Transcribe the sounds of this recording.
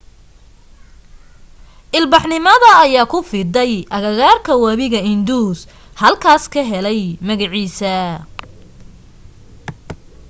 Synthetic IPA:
ʔɪlbɑħnɪmɐðɐːjaːkʰʊfɪd̪ɛjʔɐɣɐɣaːrkʰɐwæβɪɣɐɪnd̪uːs | hɐlkʰaːskʰɐɦɛlɛjmɐɣɐʕiːsɐ

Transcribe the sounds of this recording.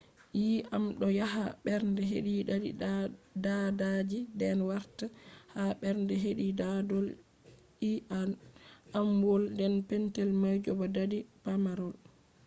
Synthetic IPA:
jiamɗɔjaɦaɓɛɾndɛɦḛɗidadidadad͡ʒidɛnwaɾtahaɓɛɾndɛɦeɗidadɔl | i | amwɔldɛnpɛntɛlmajd͡ʒɔbadadipamaɾɔl

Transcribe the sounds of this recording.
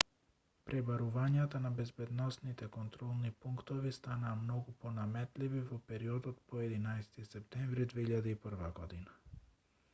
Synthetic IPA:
pɾɛbaɾuvaɲat̪anabɛzbɛd̪nɔsnit̪ɛkont̪ɾɔlˠnipuŋkt̪ovist̪anaːmnoɡuponamɛt̪livivopɛɾiod̪ot̪pɔɛd̪inajst̪isɛp̚t̪ɛɱvɾid̪veiʎad̪aipr̩vaɡɔd̪ina

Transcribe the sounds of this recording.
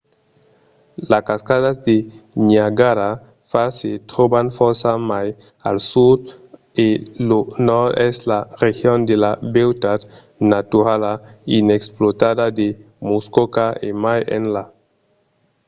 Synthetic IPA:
laskaskaðazd̪eniaɡaɾa | faɾset̪ɾobanfoɾsamaj | alsud̪ | elonɔɾdɛzlarexjond̪elabewt̪ad̪ | nat̪uɾalaineksplot̪adad̪e | muskokaemajḛnla

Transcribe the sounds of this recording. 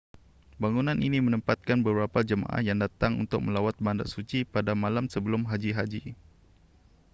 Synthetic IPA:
baŋunãnʔinimənəmpat̪̚kanbəbəɾapad͡ʒəma̰ʔa̰hjaŋdat̪aŋṵnt̪ʊk̚mə̃lawat̪̚banda̰ʔsut͡ʃipadamalamsəbəlʊmɦad͡ʒiɦad͡ʒi

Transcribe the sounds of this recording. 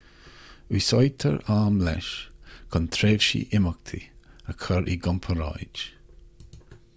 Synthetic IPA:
wisɔjt̪ʰə̰ɹaːmlɛ̰ʃkʰɔnt̪ʰɾeːvʃḭʔɪmək̚t̪ʰḭəkʰəɹʔiɡɔmpʰəɾa̰jd͡ʒ

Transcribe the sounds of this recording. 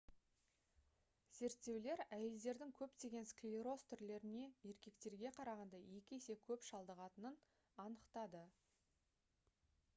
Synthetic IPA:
z̥e̞ɾt̪ːe̞wle̞ɾæje̞ld̪e̞ɾd̪ɪŋkʲʰɵpt̪e̞ɡʲe̞nskliiɾo̞st̪ʰʏɾle̞ɾɪne̞je̞ɾkʲe̞kt̪e̞ɾɡʲe̞qʰɑɾɑʁɑnd̪ɑje̞kʲɪese̞kʲʰɵpʃɑlˠd̪əʁɑt̪ənən | ɑnəqt̪ɑd̪ə

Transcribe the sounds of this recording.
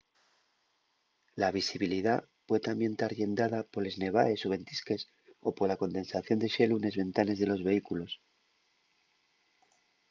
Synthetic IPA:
laβ̞isiβiliða | pwet̪ambje̞nt̪aɾʝe̞nd̪aðapole̞zne̞β̞ae̞so̞βe̞nt̪iske̞s | o̞po̞ɾlako̞nd̪e̞nsaθjo̞nd̪e̞ʃe̞lune̞zβe̞nt̪ane̞zðe̞lo̞zβe̞ikulo̞s

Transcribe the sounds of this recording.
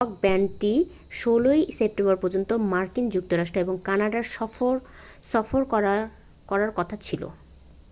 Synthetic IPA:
k̚bɛɳʈi | ʃolojsep̚ʈembɔɾpɔɾd͡ʑont̪omaɾkind͡ʑuk̚t̪oɾaʃʈɾoeboŋkanaɖaɾʃɔoɾ | sɔfoɾa | kɔɾaɾkɔt̪ʰat͡ɕʰilo̰

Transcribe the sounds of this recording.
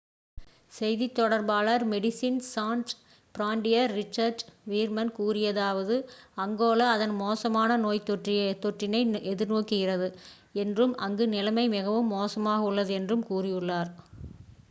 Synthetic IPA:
sɛjðit̪ːɔɽɐɾbaːlɐɾmɛɽɪsinsaːɳʈ | pɾaːɳɖɪjɐɾːɪt͡ʃːɐɾɖʋiːɾmɐnkuːrɪjɐðaːʋɐðɯɐŋɡoːlɐːðɐnmoːsɐmaːnɐnoːjt̪ːɔʈrɪjt̪ːɔʈrɪnɐɪʔɛðɪɾnoːkːɪɣɪrɐðɯ | ɛndrɯmʔɐ̰ŋɡɯnɪlɐmɐɪmɪɣɐʋɯmːoːsɐmaːɣɐɯɭːɐðɯɛndrɯmkuːrɪjɯɭːaːɾ

